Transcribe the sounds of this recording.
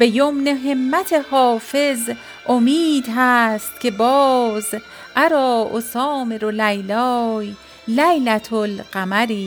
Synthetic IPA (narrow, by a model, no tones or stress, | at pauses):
b̥e̞jomneɦemːæt̪ʰehɒːfe̞z | ʔomiːd̪ɦæst̪̚kʲʰe̞bɒːz | ʔæɾɒːʔo̰sɒːmeɾolæjlɒːj | læjlæt̪ʰolɢæmæɾiː